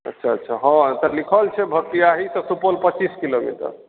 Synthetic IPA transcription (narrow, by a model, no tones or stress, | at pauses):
ə̰tːʃʰaətːʃʰaɦɔ̃t̪ɔlikʰəlt͡ʃʰɛbʱək̚ʈijaɦit̪ɔsupolpət͡ʃiskilomḭʈə̰ɾ